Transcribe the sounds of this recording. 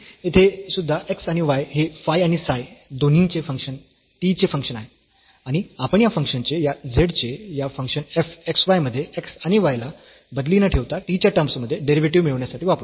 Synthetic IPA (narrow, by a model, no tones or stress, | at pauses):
et̪ʰesud̪ʱːaʔeksaɽ̃iʋajɦefajaɽ̃isajd̪on̤ĩnt͡ɕefəŋkʂən | tit͡ɕefəŋkʂənaɦe | aɽ̃iapəɳjafəŋkʂənt͡ɕejad͡zʱeɽt͡ɕejafəŋkʂənefeksʋajməd̪ʱːjeeksaɽ̃iʋajla | bəd̪linəʈʰeʋt̪at̪it͡ɕjaʈəɾmsməd̪ʱːjeɖeɾiʋeʈiʋmiɭəʋɳjasaʈʰiʋapɾ